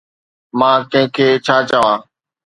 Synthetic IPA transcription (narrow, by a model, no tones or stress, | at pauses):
mãːkə̃ɦɪ̃kʰeːt͡ʃʰaːt͡ʃəʋãː